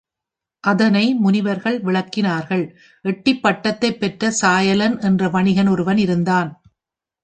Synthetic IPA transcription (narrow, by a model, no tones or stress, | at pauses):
ʔɐðɐnɐɪmʊnɪʋɐɾɣɐɭʋɪɭɐkːɪnaːɾɣɐɭ | ʔɛʈːɪpːɐʈːɐt̪ːɐɪpːɛʈrɐsaːjɐlɐnɛndrɐʋɐɳɪɣɐnɔɾɯʋɐnɪɾɯnd̪aːn